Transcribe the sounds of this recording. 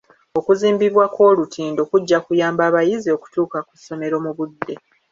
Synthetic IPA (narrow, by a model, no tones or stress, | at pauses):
o̞kuziːmbiβwakwo̞ːlutʰiːndo̞ːkuɟːakujaːmbaːβajizio̞ku̥tuːkaku̥sːo̞me̞ɾo̞muβudːe̞